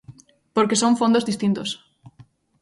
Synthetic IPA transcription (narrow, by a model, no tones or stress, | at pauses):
poɾkesõɱfõnd̪ozðist̪int̪os